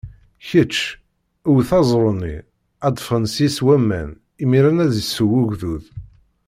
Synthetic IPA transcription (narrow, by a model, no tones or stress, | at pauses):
çət͡ʃː | uwθɑzˤɾˤənḭ | æd̪fɾɑnsiswæmːæ̰n | imiɾænæðisəwʊʝðuð